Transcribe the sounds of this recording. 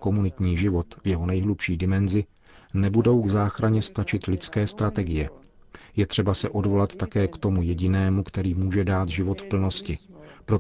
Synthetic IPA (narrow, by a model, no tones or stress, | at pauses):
ko̞munɪt̪ɲiːʒɪvo̞t̪vjɛɦo̞nɛjɦlupʃiːdɪmɛnzɪ | nɛbudo̞wɡzaːxɾaɲɛst̪at͡ʃɪt̪lɪt͡skɛːst̪ɾat̪ɛɡɪjɛ | jɛt̪r̝̥ɛbasɛʔo̞dvo̞lat̪ːakɛːkt̪omujɛɟɪnɛːmukt̪ɛɾiːmuːʒɛdaːt̪ʒɪvo̞t̪fpl̩no̞scɪpɾo̞